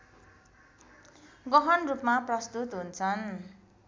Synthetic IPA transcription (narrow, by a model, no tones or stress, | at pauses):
ɡʌɦʌnrupmaprʌst̪ut̪ɦunt͡sʰʌn